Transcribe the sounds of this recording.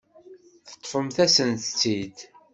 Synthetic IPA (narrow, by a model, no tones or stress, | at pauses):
θə̥t̪ˤːfəmθæsənt̪t͡sːid̪